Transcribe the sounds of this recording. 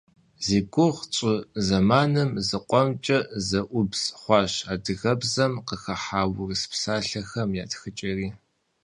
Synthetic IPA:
ziːɡʷʰʼʊʁt͡sʼʊzɐmaːnɨmzɨqʷʼɔmt͡ʃʼɐzɐʔʷʊbzχʷɑːɕaːdɨɣɐbzɐmqəxɐħaːwʊrɨspsaːɬɐxɐmjaːtxɨt͡ʃʼɐriː

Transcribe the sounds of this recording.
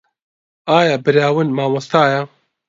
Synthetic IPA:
aːjaːbɨɾjaːwɨnmaːmɐst̪aːjɛ

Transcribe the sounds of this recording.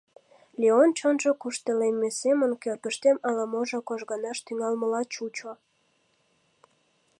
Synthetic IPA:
lʲeont͡ɕənʒəkuʃt̪elemːesemənkørkəʃt̪emɑlɑmoʒokoʒɣənɑʃt̪yŋɑlməlɑt͡ɕut͡ɕo

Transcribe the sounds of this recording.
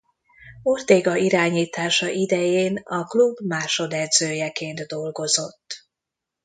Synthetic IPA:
ort̪eːɡɒiɾaːɲiːt̪aːʃɒʔid̪ɛjeːnɒklubmaːʃo̞d̪ɛd̪zøːjɛkeːnd̪d̪o̞lɡo̞zo̞t̪ː

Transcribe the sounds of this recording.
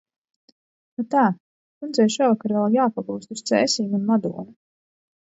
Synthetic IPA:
nat̪aː | kunzɛjʃuːvakaɾɾvɛlˠjaːpaɡuːst̪ust̪sɛ̰ːsiːɡunmad̪uːnu

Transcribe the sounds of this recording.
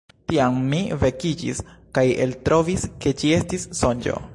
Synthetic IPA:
tiammive̞kid͡ʒḭskaje̞̰ltɾo̞viske̞t͡ʃie̞stisːo̞nd͡ʒo̰

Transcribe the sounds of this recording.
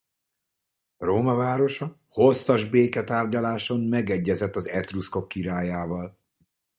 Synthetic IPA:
roːmɒvaːɾo̞ʃɒ | ho̞sːɒʒbeːkɛt̪aːrɟɒlaːʃo̞mmɛɡɛɟːɛzɛt̪ːɒzɛt̪rusko̞kːiɾaːjaːvɒl

